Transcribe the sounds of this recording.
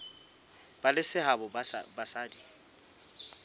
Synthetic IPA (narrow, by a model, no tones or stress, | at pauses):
b̥alɪsɪɦabɔbasaːdi